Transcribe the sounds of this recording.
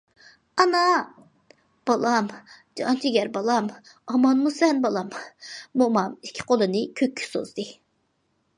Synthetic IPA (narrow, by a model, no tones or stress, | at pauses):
ɑnɑ | b̥ɑlˠɑmd͡ʒɑ̰nt͡ʃʰiɡʲɛɾbɑlˠɑmɑmɑnmusɛnbɑlˠɑmːomɑmikʲʰːi̥qʰolˠɨnɨkʲʰøkʲʰːy̥so̰zd̪ɨ